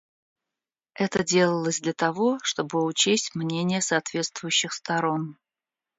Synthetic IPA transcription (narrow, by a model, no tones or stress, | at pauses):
ɛt̪ədʲe̞lˠəlˠəzʲd̪lʲət̪ɐvo̞ʂt̪o̞bɨʊt͡ɕesʲtʲmnʲenʲɪjəsɐːt̪vʲe̞t̪st̪vʊjʉɕːɪxst̪ɐɾo̞n